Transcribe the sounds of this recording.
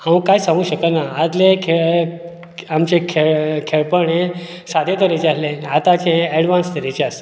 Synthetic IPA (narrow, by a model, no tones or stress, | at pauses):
ãʋəkːajsãŋɡũɕəkət̪naːd̪lekʰeɭ | amt͡ɕekʰeɭkʰeɭpəɳẽ | sad̪ʱjet̪əɾet͡ɕaslẽat̪at͡ɕẽɛɽʋanst̪ʰəɾet͡ɕeas